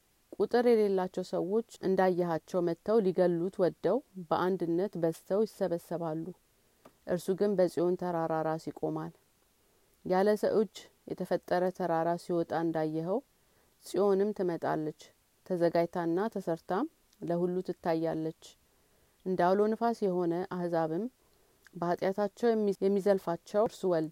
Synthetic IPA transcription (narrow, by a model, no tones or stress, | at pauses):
kʼut̪ʼɨɾjɛle̞lːat͡ʃːɛwsəwo̞t͡ʃːʔɨnd̪ajːɛɦat͡ʃːɛwmət̪ʰːəwliɡəlːut̪wɔd̪ːəwbəʔand̪ɨnːət̪bəst̪ʰəwjɪsːəβəsːəβalːu | ʔɨɾsuɡɨnbəsʼijo̞nt̪ʰəɾaɾaɾasikʼo̞mal | jaləsəʔɨd͡ʒːjɛt̪ʰəfət̪ʼːəɾət̪ʰəɾaɾasiwɔt̪ʼaɨnd̪ajːɛɦəw | sʼio̞nɨmt̪ʰɨmət̪ʼa̰lːət͡ʃː | t̪ʰəzəɡajt̪ʰanːat̪ʰəsəɾt̪ʰa | ləhulːut̪ʰɨt̪ːajːalːət͡ʃː | ʔɨnd̪awlo̞nɨfasjɛho̞nəʔahzaβɨm | bəat̪ʼjat̪ʰat͡ʃːɛwɛmːijɛmːizəlfat͡ʃːɛwɾsuwɔld̪